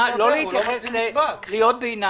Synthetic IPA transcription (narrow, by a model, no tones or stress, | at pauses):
lo̞leit̪jaχeslekʁiot̪̚beina